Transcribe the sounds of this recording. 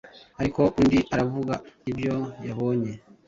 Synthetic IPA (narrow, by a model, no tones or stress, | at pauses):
aɾikɔʔundiʔaɾavuɡaivjɔjaβɔɲɛ